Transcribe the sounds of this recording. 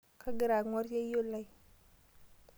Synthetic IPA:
kʰa˦ɡi˨ɾa˨ɡŋa˦ɾa˦o˦la˦˨j

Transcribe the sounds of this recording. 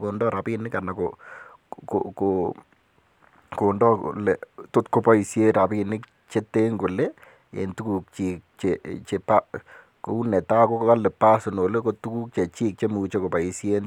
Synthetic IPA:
ko˨ndɔ˦ɾa˨pinɪ˦kana˨ko | koko | kondɔ̰˦leto˦tko˦pa˦i˨sje˦ɾa˨pi˦nɪ˦k | t͡ʃe˦te˦ŋɡo˨le | ḛntu˦ku˨k̚t͡ʃik̚t͡ʃet͡ʃe˨pa˦ | ko˨u˦nɛ˨ta˦ko˦kka˦lɛ˨pa˦sono˨le˦ko˨tu˦ku˦k̚t͡ʃe˨t͡ʃiː˦k̚t͡ʃe˦mu˨t͡ʃe˦ko˨pa˨i˨sje˦n

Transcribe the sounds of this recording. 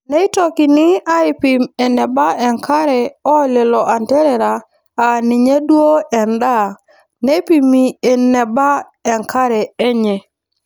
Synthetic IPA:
nɛ˦ɪ˦tɔ˨kɪ˨nɪ˦a˦ɪ˨pi˨mɛ˨nɛ˨ba˦ɛ˨ŋkʰa˦ɾɛ˨ɔ˦le˨lɔ˨ʔa˨ntɛ˦ɾɛ˨ɾa˨ | a˨ni˨ɲe˦dwo˦ɛ˨nda˦˨ | ne˦pi˨mi˨e˨nɛ˨ba˦ | ɛ˨ŋka˦ɾɛ˨ɛ˦ɲɛ˨

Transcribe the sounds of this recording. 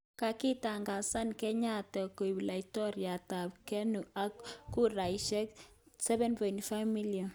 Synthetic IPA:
ka˨ki˦ta˨ŋɡa˨sa˦nkɛ˦ɲa˦tɛ˨ko˨ibi˨la˨itɔ˦ɾja˨ta˨b̚kɛ˦nu˨a˨kːu˦ɾa˨iʃɛ˦k | sɛ˦βɛ˦npɔ˨ɪntfa˦mi˦lja˨n

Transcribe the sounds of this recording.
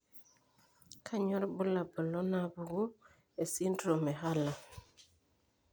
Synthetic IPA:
kʰa˦ɲɔ˦ɾbu˦la˨ba˨lɔ˦na˨bu˨ɡo˦ | e˨si˦ntɾo˨me˨ɦa˦la˨

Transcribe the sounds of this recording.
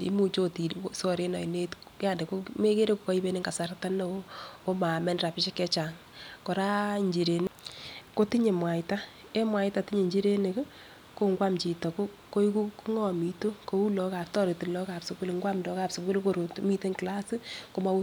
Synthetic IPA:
ḭ˦mu˨t͡ʃo˦ti˨sɔ˦ɾe˦na˨i˨ne˦tja˦˨nde˨ko˦me˦ke˦ɾe˦ko˨kɔ˦i˦be˦ne˦ŋɡa˨sa˨ɾta˦no˦o˦ko˦ma˨mɛ˦nra˨pɪ˦ʃe˦kɛ˦t͡ʃa˨ŋ | kɔ˨ɾa˦ɲd͡ʒi˨ɾe˨n˦ko˦ti˦ɲe˨mwa˨jta˦ | e˦mwa˨jta˨ti˦ɲe˨ɲd͡ʒi˦ɾe˦ne˨k | ko˦ŋɡwa˦mt͡ʃi˨tɔ˨ko˦ | ko˦i˦ku˦ku˦ŋɔ˦mi˨to˦ko˨˦u˦lɔ˨ka˨p̚tɔ˦ɾe˨ti˨lɔ˦ka˨psʊ˦ku˦lŋɡwa˦mndɔ˨˦ka˨pso˨ku˦lko˦˨ɾo˨tmi˦te˦ŋkla˦si˦ko˦ma˦u˦

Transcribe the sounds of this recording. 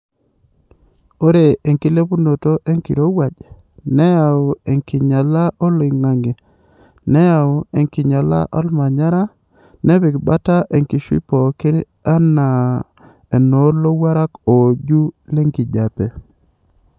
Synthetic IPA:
o˦ɾe˨e˨ŋki˦le˦pu˦no˨to˦ʔe˦ŋkḭ˨ɾo˦wa˨d͡ʒ | nɛ˦a˨o˨e˨ŋki˨ɲa˨la˦ʔɔ˦lɪ˨ŋna˨ŋe˨ | nɛ˦a˨o˨e˨ŋki˨ɲa˨la̰˦ʔɔ˦lma˨ɲa˦ɾa˦ | nɛ˦βɪ˨kba˦ta˦ʔe˨ŋki˨ʃwḭ˦pɔ˨ke˦ɾ | a˦na˨ | e˨no˨˦ɾlo˦wa˦ɾa˦ko˨d͡ʒu˦le˦ŋki˨d͡ʒa˨pe˨

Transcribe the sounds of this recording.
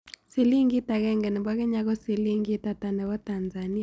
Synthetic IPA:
si˨li˦ŋɡi˦ta˨ɣɛ˦ŋɡɛ˨nɛ˨bwa˦kɛ˦ɲa˦ɣɔ˦si˨li˦ŋɡi˦ta˨ta˨nɛ˨wɔ˦ta˨nza˨ni˦a˨

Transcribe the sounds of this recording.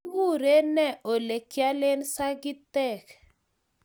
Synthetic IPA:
ɣu˦˨ɾe˦nɛ˦˨ʔo˨le˨kja˦lɪ˦nsa˦ɡɪ˦tɛ˦˨k

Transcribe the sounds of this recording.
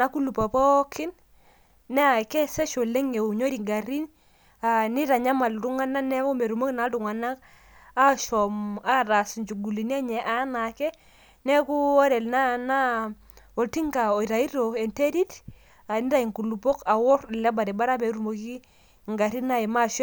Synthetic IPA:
na˦ku˦lu˨pɔ˨pɔ˦kʰɪ˦nː | ɛ˦a˨kɛ˦sɛ˦ʃo˨le˦ŋe˨u˨ɲo˦ɾi˨ŋɡa˨ɾi˦n | a˨ni˦ɾa˨ɲa˦ma˨ltu˦ŋa˦na˦nɛ˦kɔ˦me˨ɾu˨mo˦ki˨˦na˨˦tu˨ŋa˨na˦k | a˦ʃɔ˨ma˦˨ɾa˨sɲd͡ʒu˨ɡu˨li˨ni˦a˦ɲɛ˨ʔa˨˦na˨kɛ˦ | nɛ˦ku˦ɔ˦ɾɛ˨lna˦na˦ | ɔ˨lti˦ŋɡa˨o˨i˨ɾa˨i˦ɾo˨ɛ˨nte˦ɾi˦t | a˨ni˦ɾa˨i˨ŋku˨lu˨pɔ˦ka˨wɔ˦ɾlɛ˦ba˨ɾɛ˨ba˦ɾa˦be˨ɾu˨mo˨ki˦ | ŋɡa˨ɾi˦na˦ɛ˨ma˦ʃɔ˦

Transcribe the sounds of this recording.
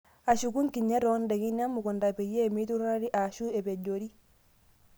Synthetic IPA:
a˨ʃu˨ku˦ŋki˨ɲe˦ɾɔ˦nde˨ki˦ɲa˦mːu˨kɔ˨nda˨pe˨jːeː˦˨mi˦tu˦ɾɾi˦ʔa˨ʃu˦e˨pe˨ɟoɾi˦

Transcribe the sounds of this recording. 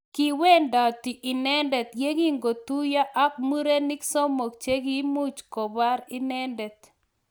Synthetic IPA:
ki˨we˦nda˨ti˨ʔɪ˨nɛ˦ndɛ˨t̪ɡe˦ɡi˦ŋɡo˨tu˦ja˦ʔa˦k̚mu˦ɾe˦nɪ˦ksɔ˦mo˨k̚t͡ʃe˦ɡi˦mu˦t͡ʃkɔ˨ba˦ɾɪ˦nɛ˦ndɛ˨t̪̚

